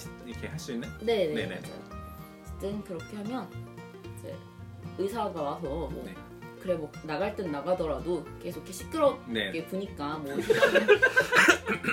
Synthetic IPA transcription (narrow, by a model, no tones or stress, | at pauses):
iɾʌkʰehaɭs͈uinːene̞neḛt͡ɕʌ̰ | kɯ̥t͈ɯnkɯɾʌkʰe̞ɦamjʌn | t͡ɕḛ | ɯsʰaɡawasʰʌmwʌ̰e | kɯɾe̞mwʌnaɡaɭt͈ɯnnːaɡadʌɾadoke̞sʰok͈ʰːiɕʰi̥k͈ɯɾʌnek͈epuɲik͈amwʌsʰikmɯ